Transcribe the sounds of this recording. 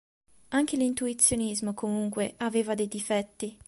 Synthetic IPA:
aŋk̟elint̪uit̪sːjonizmokomuŋkweaveːvad̪ejd̪ifɛt̪ːi

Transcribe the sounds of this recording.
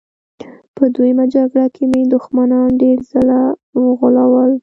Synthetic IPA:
pəd̪ujəmad͡ʒaɡɽakʰemed̪ʊxmanɑnɖeɾzalawɣʊlawəl

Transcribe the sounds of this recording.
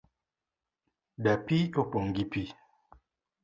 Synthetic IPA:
dapiopoŋɡipi

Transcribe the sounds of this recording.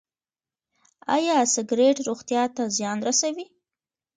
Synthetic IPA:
a̰jɑsɪɡɾeʈɾoɣt̪jɑt̪azjɑnɾasawi

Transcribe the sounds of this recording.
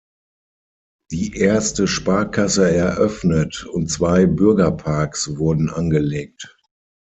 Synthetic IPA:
d̥iːʔeɐstəʃpaɐkʰasəɛɐʔœfnətʊntt͡sv̥aɪbʏɐɡɐpʰaɐksvʊɐdn̩ʔanɡəleːk̚t

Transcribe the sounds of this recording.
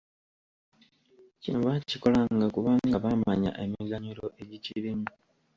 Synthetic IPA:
cinoβaciko̞laŋɡakuβaːŋɡaβamaɲa̰ʔe̞miɡaɲulo̞ʔe̞ɟiciɾimu

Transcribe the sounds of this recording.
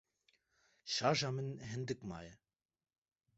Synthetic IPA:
ʃɑːʒɑːmɨnɦɨnd̪ɨkmɑ̰ːjɛ

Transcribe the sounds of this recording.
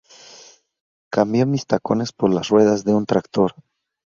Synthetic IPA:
kambjo̞mist̪ako̞ne̞spo̞ɾlasrwe̞ðazðe̞unt̪ɾakt̪o̞ɾ

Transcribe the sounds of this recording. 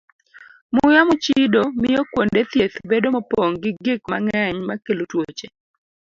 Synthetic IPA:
mʊjamʊt͡ʃidomɪjɔkwondet̪jet̪bedomɔpoŋɡɪɡɪkma̰ŋɛɲmakelutwot͡ʃe

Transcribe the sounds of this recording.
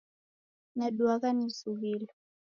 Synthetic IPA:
naɗuakanisuɣilɔ

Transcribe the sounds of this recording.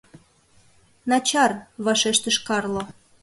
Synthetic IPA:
nɑt͡ɕɑrβɑʃeʃt̪ə̆ʃkɑrlŏ

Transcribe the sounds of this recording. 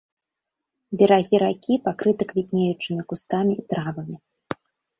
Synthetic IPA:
bʲɛɾaɣʲiɾakʲipakɾɨt̪ɨkvʲit̪ʲnʲejut͡ʂɨmʲikust̪amʲiit̪ɾavɐmʲi

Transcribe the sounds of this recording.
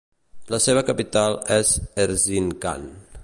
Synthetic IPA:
ləseβ̞əkəpit̪alˠɛzeɾzinka̰n

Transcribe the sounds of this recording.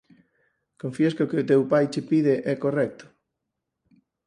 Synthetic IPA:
kõɱfieskɪʊkɪʊt̪ewpajt͡ʃepiðeʔɛkorɛk̚t̪ʊ̥

